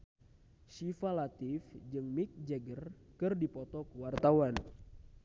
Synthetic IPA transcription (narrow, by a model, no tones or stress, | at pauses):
sifalat̪ifd͡ʒɨŋmik̚d͡ʒɛɡər | kɨrdipɔt̪ɔkəwart̪awan